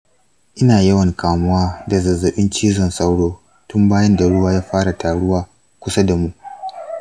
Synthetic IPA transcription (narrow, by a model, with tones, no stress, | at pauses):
ʔɪ˦naː˨jɐ˦wɐ˨ŋkʰaː˨mʊ˦waː˦da˨zɐ˨zːɐ˨ɓɪ˦nt͡ʃiː˦zɔ˨nsa˦wɽoː˦ | tʊ˦mbaː˦jɐ˦nda˨ɽʊ˦waː˦jaː˦ɸaː˦ɽa˨tʰaː˨ɽʊ˦waː˦ | kʷʊ˦sa˦da˨mu˦ʔ